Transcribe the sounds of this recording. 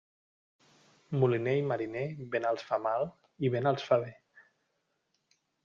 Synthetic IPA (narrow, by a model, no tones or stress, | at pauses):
mulinejmaɾineβenəlˠsfamal | iβenəlˠsfaβe